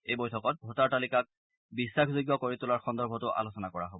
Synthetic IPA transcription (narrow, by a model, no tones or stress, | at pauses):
ejbojtʰɔkɔt̚bʱotaɹtalikak̚ | bisːakzojɡjɔkoɹitʊlaɹxɔndɔɹbʱɔtʊʔa̰losɔnakɔɹa̰ɦobɔ